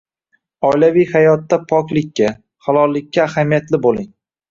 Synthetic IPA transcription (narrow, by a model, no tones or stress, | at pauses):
ɒjlavijhajɒt̪ːapʰɒkʲlɪkʲʰːa | halˠɒlˠːɪkʲːaːhamijat̪lɪbolˠɪŋ